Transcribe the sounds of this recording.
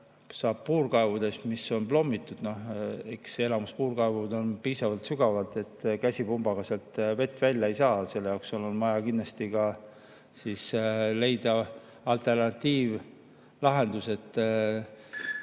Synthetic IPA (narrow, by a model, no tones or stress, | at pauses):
sɑːb̥̚puːrkɑevud̪̥e̞smisːo̞nplo̞mːit̪ːˑud̪̥no̞he̞kse̞lɑmuspuːrkɑevud̪o̞npiːsɑvɑlt̪syɡɑvɑlt̪e̞t̪ːˑkæsʲipumb̥ɑɡ̥ɑselt̪ve̞t̪ːˑvælʲjɑejsɑːse̞lːejɑowksolonmɑjɑkinːlɑst̪iɡɑ | siːsle̞jd̪̥ɑ | ɑlt̪e̞rnɑt̪ːˑiːv | lɑɦe̞nd̪̥use̞t̪ːˑ